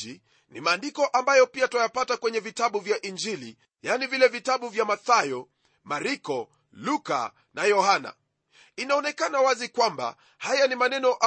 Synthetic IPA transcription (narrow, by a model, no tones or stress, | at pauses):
i | nḭmaːndikɔʔambajɔpiatajapatakwɛɲɛvitaɓuvjaʔind͡ʒili | janivilɛvitaɓuvjamaθajɔ | maɾikɔ | luka̰ | najɔhana̰ | inaɔnɛkanawazikwamba̰ | hajanimanɛnɔʔa